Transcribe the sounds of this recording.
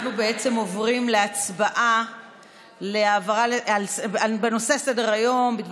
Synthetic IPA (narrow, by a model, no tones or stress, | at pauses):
nubeet͡se̞mo̞vʁimleat͡sbaʔa | leavaʁalealsabeno̞se̞sedeʁajo̞mbid̪v